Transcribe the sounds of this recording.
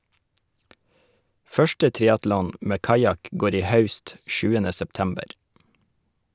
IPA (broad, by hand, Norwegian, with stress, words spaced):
ˈfœʃʈə ˈtɾɪɑtlɔn ˈmeː ˈkɑjɑk ˈɡoːɾ ˈiː ˈhɑʉst ˈʃʉːənə sɛpˈtæmbəɾ